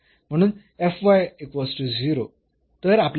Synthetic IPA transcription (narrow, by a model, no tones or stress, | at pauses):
m̤əɽ̃uːn | efʋajekʋəsʈud͡ziɾo | t̪əɾapl